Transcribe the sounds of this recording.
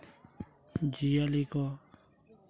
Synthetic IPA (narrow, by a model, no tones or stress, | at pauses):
d͡ʒijalikɔ